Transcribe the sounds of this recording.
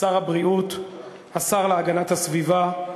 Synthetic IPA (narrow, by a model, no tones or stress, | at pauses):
aʁhabʁiut̪ | asaʁleaɡanathasviva